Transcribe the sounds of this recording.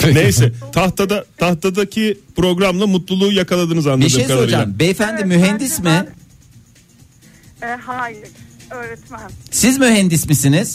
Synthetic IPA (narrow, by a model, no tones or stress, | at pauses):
nejsɛt̪ʰaht̪ad̪at̪ʰaht̪ad̪acʰipɾo̞ɡɾamlˠamut̪lˠulˠuːjakʰalˠad̪ɯnɯzanˠaeʃɯejaod͡ʒambeːfænd̪imːyɦɛnd̪ismɪ | ɛhaːjɪɾøːɾɛt̪mænsizmyɦɛnd̪ismisiniz̥